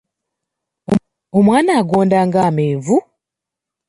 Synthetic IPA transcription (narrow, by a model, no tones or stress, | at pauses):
omwaːnaːɡoːndaːŋɡaːmeːɱvu